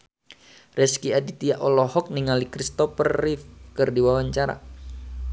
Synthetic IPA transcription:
rɛskiadit̪iaʔɔlɔhɔk̚niŋalikɾist̪ɔfərːifkɨrdiwawaɲt͡ʃaɾa̰

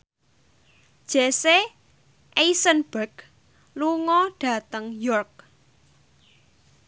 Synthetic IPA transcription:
d̥ʒ̥ese | ʔeisənbərɡ | luŋɔɖ̥ä̤t̪əŋjɔrk̚

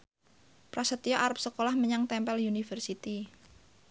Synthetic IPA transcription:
pɾasət̪ioʔaɾəp̚səkolahməɲaŋt̪ɛmpɛljunifərsit̪i

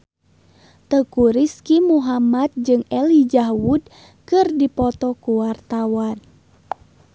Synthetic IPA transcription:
t̪əkuɾiskimuɦamat̪̚d͡ʒɨŋɛlid͡ʒahwud | kɨrdipɔt̪ɔkuwart̪awan

